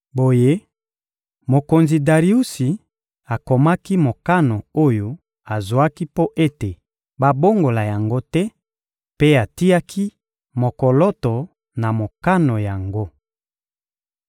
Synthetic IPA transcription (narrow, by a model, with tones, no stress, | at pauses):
bo˨je˦ | mo˨ko˨nzi˨da˨ʁi˨˦u˦si˨ | a˨ko˨ma˦ki˦mo˨ka˦no˨o˦jo˦ | a˨zo˨a˦ki˦po˦ʔe˦te˨ | ba˦bo˦ŋɡo˨la˨ja˨ŋɡo˦tɛ˦ | pe˦a˨ti˦a˦kʰi˦ | mo˨ko˨lɔ˦tɔ˨ | na˨mo˨ka˦no˨ja˨ŋɡo˦